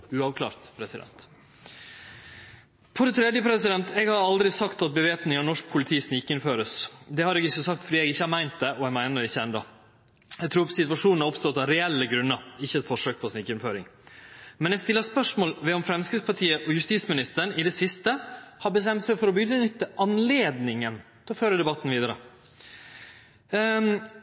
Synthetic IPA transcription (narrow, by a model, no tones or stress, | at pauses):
ʉɑʋkʰlɑ̰ːɾt̪pʰɾɛsɪd̪ɛ̰nt̪ | pʰɔd̪ɛt̪ʰɾɛd̪jəpʰɾɛsɪd̪ɛnt̪ɛɡhɑɾɑld̪ɾɪsɑkt̪ɑt̪̚bəʋeːpnɪŋɑnɔʂk̚pʰʊlɪt̪ʰiːsnɪkːəɪnføːɾəsd̪ɛhɑɾɛɡɪçːəsɑk̚t̪fɔd̪iɛɡɪçːəhɑɾmæɪnt̪̚d̪ɛʔɔɛɡmæɪnəɾɪçːəɛnd̪ɑ | ɛt̪ʰɾuːɾsɪt̪ʋɑʂuːnn̩ɑɾɔpst̪ɔt̪ːɑɾɛɛlːəɡɾʉnːəɾɪçːəɛt̪fɔʂøːk̚pʰɔsnɪkːəɪnføːɾɪ̰ŋ | mɛnɛst̪ɪlːəspœʂmoːlʋɛɔmfɾɛmskɾɪspɑʈʰiːəʔɔjʉst̪iːsmɪnɪst̪əɳɪd̪ɛsɪst̪əhɑbəs̬t̪ɛmt̪sɛɪfɔɾɔbʏd̪ənʏt̪ːəʔɑnleːd̪nɪŋənt̪ʰɛlɔføːɾəd̪ɛbɑt̪ːn̩ʋiːd̪əɾə̰